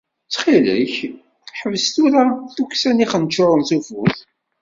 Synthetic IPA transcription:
t͡sːχilə̰ç | ħəvəzt̪uɾaθuksæniχənt͡ʃːʊɾˤəlθufʊθ

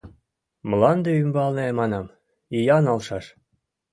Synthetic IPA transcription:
mlɑnd̪eymbɑlnemɑnɑm | ijɑnɑlʃɑʃ

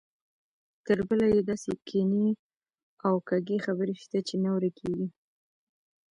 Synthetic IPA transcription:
t̪əɾbəlajed̪ɑsekʰeni | awkaɡexabəɾeʃt̪at͡ʃenawɾakʰeɡi

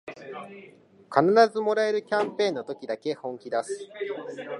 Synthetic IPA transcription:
kanaɾazɨmo̞ɾae̞ɾɯ̟kʲãmpẽ̞ːnːo̞t̪o̞kʲid̪ake̞hõ̞ŋkʲid̪asɨ̥

